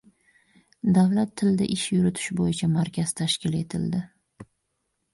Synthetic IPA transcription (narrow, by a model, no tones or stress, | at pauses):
d̪avlat̪ʰːɪld̪aʔɪʃjʊɾʊt̪ʰɪ̥ʃbojɪt͡ʃʰamaɾkʲazt̪ʰaʃkʲɪle̞t̪ʰɪ̰ld̪ɪ